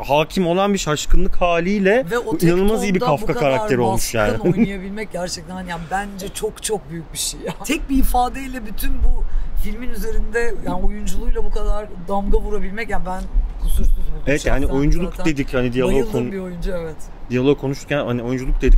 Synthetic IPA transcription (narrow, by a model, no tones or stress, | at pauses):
haːcʰimo̞lˠanbiʃaʃkʰɯnlˠɯkhaːlʲijlʲɛvɛoinanɯlˠmazijbiɾkʰafkkakkʰaɾakt̪ʰe̞ɾo̞lˠmuʃjaːninjjabilʲmɛc̚ɟæɾt͡ʃʰɛt̪ʰænanijanbænd͡ʒɛt͡ʃʰokt͡ʃʰok̚byjyc̚biʃejat̪ʰɛc̚biːfaːd̪eilʲɛbyt̪ʰynbufilʲminyze̞ɾind̪ɛjaːnojund͡ʒulˠujlˠabukʰad̪aɾd̪amɡavuɾabilʲmɛcjanbænkʰusuɾsymɛevɛt̪jaːnio̞jund͡ʒulˠuk̪d̪e̞d̪ichanid̪ijalˠokʰonbiojund͡ʒuɛvɛt̪ | d̪ijalˠokkʰːo̞nuʃt̪ɾcʰænha̰nio̞jund͡ʒulˠuk̚d̪e̞d̪ic